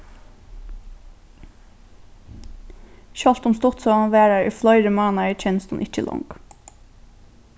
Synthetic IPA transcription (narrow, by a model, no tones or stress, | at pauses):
çɑlt̪ʊmst̪ɔt̪soɑnʋæːɾɑɹḭflɑʏɾəmɑːnɑæc͡çɛnst̪n̩ʔɪc͡çə̰lʔɔ̰ŋɡ̥